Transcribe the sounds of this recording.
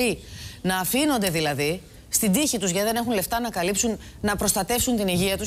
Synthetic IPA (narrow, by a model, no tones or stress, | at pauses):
inɐːfino̞nd̪e̞ðilɐði | st̪ind̪içit̪uzʝɐiðe̞ne̞xunle̞ft̪ɐnɐkɐlipsun | nɐpɾo̞st̪ɐt̪e̞fsunt̪iniʝiɐt̪us